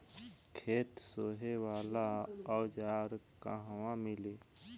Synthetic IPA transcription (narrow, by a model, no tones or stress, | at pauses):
kʰeːt̪soːɦewaːlaɔːd͡ʒaːɾka̰ɦwãmɪleː